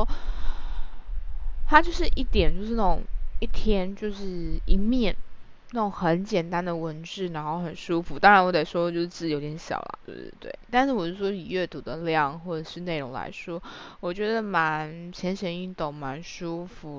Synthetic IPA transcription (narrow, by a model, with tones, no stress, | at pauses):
t̪ʰa˥t͡ɕjo˥˧ʊʂ̬ɻ̩˥˧ʔi˥˩t̪jɛ˨˩nt͡ɕjo˥˧ʊʂɻ̩˥˩na˥˩ʊ˨˩ŋi˥˩t̪ʰjɛ˥nt͡ɕjo˥˧ʊʂɻ̩˥˩i˧˥mjɛ˥˩n | na˥˩o˨˩ŋxə˧˥nt͡ɕjɛ˨˩nt̪a˥˦nd̪ə˨wə˧˥nʈ͡ʂɻ̩˥˩ɻa˧˥nxo˥˩ʊxə˨˩nʂu˥fu˨˦t̪ɑ˥ŋɻa˧˥nwɔ˧˥t̪e˨˩ɪʂwɔ˥˨˩t͡ɕjo˥˧ʂɻ̩˥t͡s̩˥˩˨o˧˥t̪jɛ˨˧˦nɕjɑ̰˨˩ʊlə̰˨˦t̪o̰˥˩˨t̪wḛ˥˩ɪt̪a˥˧nʂɻ̩˥˩wɔ˨˩t͡ɕo˥˩ʂwɔ˥li˨˩ɥɛ˥˩t̪u˨˩d̪ə˨ljɑ˥˨ŋxwɔ˥˩ʈ͡ʂə˨˩ʂɻ̩˥˧ne˥˩ɪɻʊ̰˧˥ŋla̰˧˥ɪʂwɔ˥wɔ˨˩t͡ɕɥɛ˧˥d̪ə˧ma˧˦nt͡ɕʰjɛ˧˥nɕə˧˥ny˥˩nt̪o˥˩ŋma˧˥nʂu˥fu˨˩˦